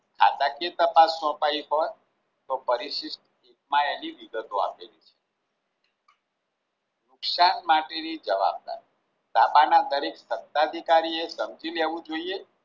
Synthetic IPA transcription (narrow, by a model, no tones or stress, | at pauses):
kʰa̰t̪akiet̪əpasːɔ̃paiɦoj | t̪opəɾiʃiʃʈ | ekmãeniʋiɡət̪oa̰pelit͡ʃʰe̥ | nʊksanmaʈenid͡ʒəʋa̰b̚d̪a̰ɾi | t̪apanad̪əɾeksət̪ːad̪ʱikaɾiesəmd͡ʒileʋũd͡ʒoie